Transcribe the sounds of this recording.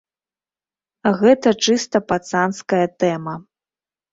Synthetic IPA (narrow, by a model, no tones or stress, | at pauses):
ɣɛt̪ɐt͡ʂɨst̪ɐpat̪sanskɐjɐt̪ɛmɐ